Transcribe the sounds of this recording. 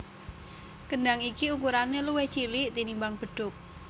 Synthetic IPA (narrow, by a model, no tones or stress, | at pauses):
kənɖaŋikiukuɾaneluwɛht͡ʃilɪʔt̪inimbaŋb̥əɖ̥ʊk̚